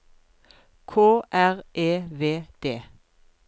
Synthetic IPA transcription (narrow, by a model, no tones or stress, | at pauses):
kʰoːʔæʁʔeːʋeːd̪̥eː